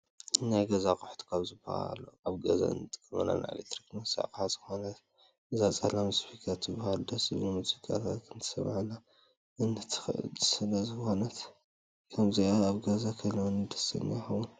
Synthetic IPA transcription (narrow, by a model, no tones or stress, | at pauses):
ɨnajɡɐzakʼuħt̪ʰu̥kʰaβzɨba̰ha̰lːo̰aβɡɐza̰ɨ̰nɨt̪ʼɨ̥kʼːɐmɐ̰na̰na̰ḭlekt̪ɾiknɐsa̰kʼħazɨ̥xo̞nɐt̪ | ʔɨzat͡sʼɐlamspʰikʰat̪ːɨbɐhald̪ɐsɨzɨmuzikʼa̰t̪ʰat̪ɨnt̪ʰɨ̥sɐ̰mʕana | ʔɨnɨt̪ʰzɨsɨlɐzɨxonɐt̪ | kʰɐmziaːβɡɐzakʰɐlɐwɐnɨd̪ɐ̥sɐ̰najxɐwun